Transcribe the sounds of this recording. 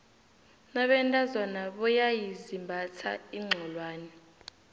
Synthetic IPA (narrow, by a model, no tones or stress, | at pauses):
naɓɛntʼazɔnaɓɔjajizimbʱatʰa̰iŋ͡ǀʱɔlwaːnɛ